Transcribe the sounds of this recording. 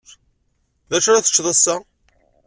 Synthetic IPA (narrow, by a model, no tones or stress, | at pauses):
ðæʃɾæθə̥t͡ʃːðˤɑsːa